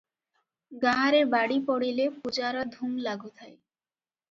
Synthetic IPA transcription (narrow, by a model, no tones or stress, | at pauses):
ɡaɦaɾebaɽipɔɽilepud͡ʑaɾɔd̪ʱumlaɡut̪ʰaj